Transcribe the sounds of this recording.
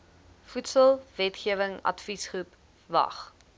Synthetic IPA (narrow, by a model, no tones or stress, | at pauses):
futsəlˠvɛtχiəvəŋɐ̰tfisχup | vɐ̰χ